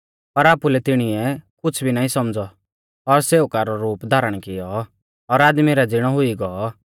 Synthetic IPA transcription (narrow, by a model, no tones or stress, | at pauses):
pɐɾaːpulɛt̪ɪɽ̃iɛkʊt͡sʰbʱinaːĩsɐmd͡zɔ | ɔɾseːukaɾɔɾuːpd̪ʱaːɾəɽ̃kɪjɔː | ɾaːd̪miɾad͡zɪɽ̃ɔɦʊiɡɔɔ